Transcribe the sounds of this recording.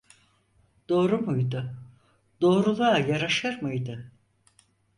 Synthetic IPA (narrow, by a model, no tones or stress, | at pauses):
d̪̥o̞ːɾumujd̪ʊ | d̪o̞ːɾulˠaːjaɾaʃɯɾmɯjd̪ɯ